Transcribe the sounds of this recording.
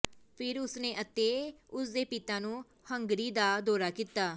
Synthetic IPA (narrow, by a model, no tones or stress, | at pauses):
pʰɪɾʊsnẽːʔət̪eːʊsd̪eːpɪt̪ãːnũː | həŋɡɾiːd̪aːd̪ɔːɾaːkiːt̪aː